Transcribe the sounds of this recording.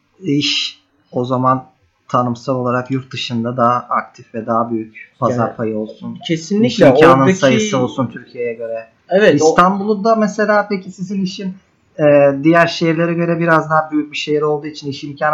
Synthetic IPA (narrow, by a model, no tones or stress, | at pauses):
iʃ | o̞zaman | t̪ʰanɯmsalˠolˠaɾakjuɾt̪̚d̪ɯʃɯnd̪ad̪aɦak̚t̪ʰifvɛd̪aɦabyjycpʰazaɾpʰajɯo̞lˠsuncʰesinlʲiimcaːnɯsajɯsɯo̞lˠsunt̪ʰyɾcʰijejɛɟø̞ɾɛ | evɛtist̪ʰanbulˠud̪amɛse̞lʲaːpecʰisiziniʃim | ɛːd̪ijæɾʃejiɾlʲe̞ɾɛɟø̞ɾɛbiɾazd̪aɦabyjyc̚biʃejiɾo̞lˠd̪uːit͡ʃʰiniʃimcʰaːn